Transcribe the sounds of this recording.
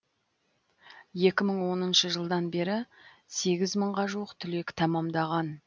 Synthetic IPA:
je̞kʲɪməɴwo̞nənʃəʒəlˠd̪ɑnbe̞ɾɪse̞ɡʲɪzməɴʁɑʒuwəqt̪ʰʏle̞kʲt̪ʰɑmɑmd̪ɑʁɑn

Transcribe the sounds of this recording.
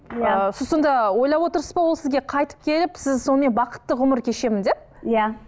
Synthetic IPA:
əssond̪ɑwo̞jlˠɑpwo̞t̪əɾsəzbɑwo̞lˠsɪzɡʲe̞qʰɑjt̪ə̥p̚kʲʰe̞lɪpsɪzso̞nəme̞nbɑqə̥t̪ːəʁʊməɾkʲʰe̞ʃe̞mɪnd̪e̞p̚ | ja

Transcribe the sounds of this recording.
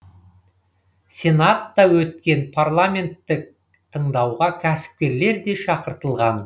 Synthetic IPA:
sʲe̞nat̪ːɑwɵt̪̚kʲe̞npʰarlˠamʲe̞nt̪ːɪk̚ | t̪ʰəɴd̪ɑwʁɑkʲʰæsɪ̥p̚kʲe̞ɾle̞ɾd̪e̞ʃɑqəɾt̪əlˠʁɑn

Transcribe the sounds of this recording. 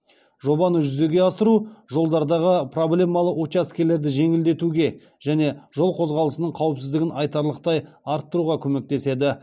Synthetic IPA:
ʒo̞bɑnəʒʏze̞ɡʲe̞ɑst̪əɾuʒo̞lˠd̪ɑɾd̪ɑʁəpro̞blʲe̞mɑlˠəwot̪askʲele̞ɾd̪ɪʒe̞ŋɪld̪e̞t̪uɡʲe̞ | ʒ̥æne̞ʒo̞lˠqʰo̞zʁɑlˠəsənəɴqʰɑwəpsɪzd̪ɪɡʲɪnɑjt̪ɑɾlˠəq̚t̪ɑj | ɑɾt̪ːəɾuʁɑkʲʰɵme̞k̚t̪e̞se̞d̪ɪ

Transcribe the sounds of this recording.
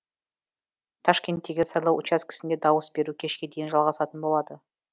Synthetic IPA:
t̪ʰɑʃkʲe̞nt̪ːe̞ɡʲɪsɑjlˠɑwʔʊ̰t͡ʃɑskʲɪ̥sɪnd̪e̞d̪ɑwəsbe̞ɾukʲʰe̞ʃkʲe̞d̪e̞jɪnʒɑlˠʁɑsɑt̪ənbo̞lˠɑd̪ə

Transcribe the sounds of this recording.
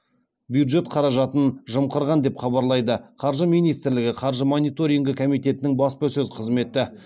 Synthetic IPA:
bjud̪ʒe̞t̪qʰɑɾɑʒɑt̪ənʒəmqəɾʁɑnd̪e̞pχɑbɑɾlˠɑjd̪əqʰɑɾʒəmijnijst̪ɪɾlɪɡʲɪqʰɑɾʒəmonijt̪o̞ɾijŋɡʲɪkʰomijt̪e̞t̪ɪnɪŋbɑspəsɵzqʰəzme̞t̪ɪ

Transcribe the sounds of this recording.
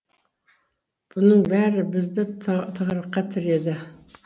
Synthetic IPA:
b̥ʊnɨŋbæɾɪbɪzd̪ɪt̪ʰəʁɾəqːɑt̪ʰɪɾed̪ɪ

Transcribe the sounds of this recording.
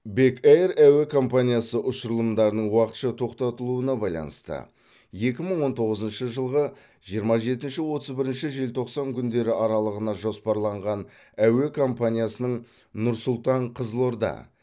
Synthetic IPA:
be̞kejɾæwe̞kʰo̞mpanʲijasəʔʊʃəɾlˠəmd̪ɑɾənəɴwɑqət̪ʃɑt̪ʰo̞qt̪ɑt̪əlˠuənɑbɑjlˠɑ̰nəst̪ə̰ | je̞kʲɪməɴwo̞nt̪ʰo̞ʁəzənʃəʒəlˠʁə | ʒijəɾmɑʒe̞t̪ɪnʃɪwo̞t̪əzbɪɾɪnʃɪʒe̞lʲt̪ʰo̞qsɑŋkʲʰʏnd̪e̞ɾɪʔɑɾɑlˠəʁənɑʒo̞spɑɾlˠɑɴʁɑn | æwe̞kʰo̞mpanʲijasənəɴ | nʊɾsʊlˠt̪ɑɴqʰəzlˠo̞ɾd̪ɑ̰

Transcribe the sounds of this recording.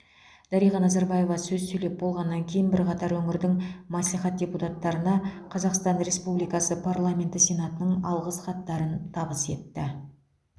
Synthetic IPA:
d̪̥ɑɾijʁɑnɑzɑɾbaje̞vɑsɵzsɵjle̞p̚bo̞lˠʁɑnːɑŋkʲʰe̞jɪnbɪɾqɑt̪ɑɾwɵmɪɾd̪ɪŋmɑsliχɑt̪̚d̥ʲe̞put̪at̪ːɑɾənɑqʰɑzɑqst̪ɑnɾe̞spublijkɑsəpʰarlˠamʲe̞nt̪ɪsʲe̞nat̪ənəɴɑlˠʁəsχɑt̪ːɑɾənt̪ʰɑbəse̞̰t̪ːɪ

